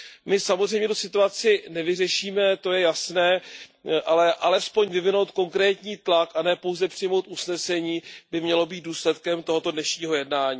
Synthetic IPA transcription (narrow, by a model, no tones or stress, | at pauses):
mɪsamozr̝ɛjmɲɛt̪osɪt̪uat͡sɪnɛvɪrɛʃiːmɛt̪o̞jɛjasnɛːʔalɛʔalɛspo̞ɲvɪvɪno̞wt̪̚ko̞ŋkɾɛːt̪ɲiːt̪lakʔanɛːpo̞wzɛpr̥ɪjmo̞wt̪ʔusnɛsɛɲiːbɪmɲɛlo̞biːt̪̚duːslɛt̪kɛmt̪o̞ɦo̞t̪odnɛʃɲiːɦo̞jɛdnaːɲiː